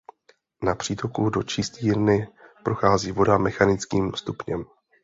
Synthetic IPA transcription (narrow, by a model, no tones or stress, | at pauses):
napr̝̥iːt̪o̞kudo̞t͡ʃɪst̪iːɾnɪpɾʔo̞xaːziːvo̞damɛxanɪt͡skiːmst̪upɲɛm